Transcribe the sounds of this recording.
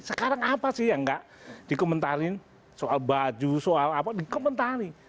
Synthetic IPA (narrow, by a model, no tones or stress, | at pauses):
səkaɾaŋapasɪhjaŋɡaʔ | d̥ikɔmənt̪aɾɪn | soʔalbad͡ʒusoalapadikɔmənt̪aɾi